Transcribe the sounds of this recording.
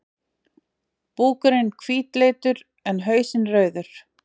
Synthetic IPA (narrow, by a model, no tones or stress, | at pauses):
puːkʏɾɪnkʰviːt̪lejt̪ʏɾ | ɛnɦœːɥsɪnrœːɥðʏɾ̥